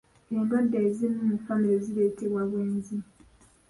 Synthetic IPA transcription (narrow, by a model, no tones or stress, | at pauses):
eːmbadːeːzinumufamiɾezileːteβwaβweːnzi